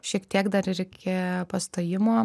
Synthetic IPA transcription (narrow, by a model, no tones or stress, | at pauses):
ʃʲiɛkt̪ʲiɛkd̪ɐɾɪɾʲɪkʲepɐst̪oːjɪmoː